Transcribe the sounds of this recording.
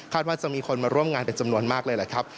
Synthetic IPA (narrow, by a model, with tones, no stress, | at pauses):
kʰaː˥˩t̪waː˥˩t͡ɕa˨miː˧kʰo˧nmaː˧ɾu˥˩əmŋaː˧npe˧nt͡ɕa˧mnu˧ənmaː˥˩k̚lɤː˧jla˨˩kʰa˦˥p̚